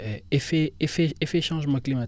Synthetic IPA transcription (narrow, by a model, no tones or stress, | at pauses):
ɛefeefeefeʃɑ̃ʒmãklima